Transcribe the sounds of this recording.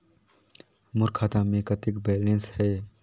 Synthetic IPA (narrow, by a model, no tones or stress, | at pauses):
mʊɾkʰaːt̪ãmẽkɐt̪ɪkbɛːlẽnshɛː